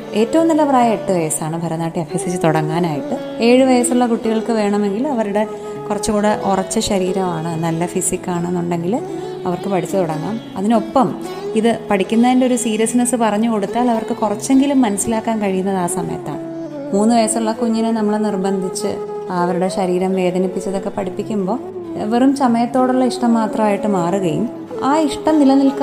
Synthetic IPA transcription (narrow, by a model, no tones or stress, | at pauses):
e̞ːtːɐʋɐmnɐlːɐpraːjɐeʈːɨʋɐjɐsaːɳɨbʱɐɾɐnːaːʈːiɐfisit͡ɕːɨt̪oɽɐŋːaːnaːjiʈːɨ | e̞ːɻɨʋɐjɐsuɭːɐkuʈːiɣɐɭkɨʋe̞ːɳɐme̞ŋɡilɐʋɐɾuɽe̞ | kurɐt͡ɕːɨkuːɽeʔurɐt͡ɕːɨɕɐɾiːɾɐmaːɳɨnɐlːɐfisikːaːɳenːuɳɖe̞ŋɡil | ɐʋɐrkɨpɐɽʰit͡ɕːɨt̪oɽɐŋːaːmɐðino̞pːɐm | iðɨpɐɽikʲːunːɐðindeo̞ɾusiːɾɐsnɐsɨpɐrɐɲːuko̞ɽut̪ːaːlɐʋɐrkɨkurɐt͡ɕːe̞ŋɡilumːɐnɐsilaːkːaːnkɐɻijunːɐðaːsɐmɐ̰jɐ̰t̪ːa̰ːɳɨ | muːnːɨʋɐjɐsɐuɭːɐkuɲːɐnɨnɐmːɐɭnirbɐnd̪ʱit͡ɕːɨ̰ | ɐʋɐɾuɽe̞ɕɐɾiːɾɐmʋe̞ːd̪ʱɐnipːit͡ɕːɐðo̞kːe̞pɐɽipːikʲːumbo̞ː | ʋerumsɐmɐjɐt̪ːo̞ːɽuɭːɐiʂʈɐmːaːt̪rɐmaːjiʈːɨmaːruɣɐjṵm | aːiʂʈɐmnilɐnilk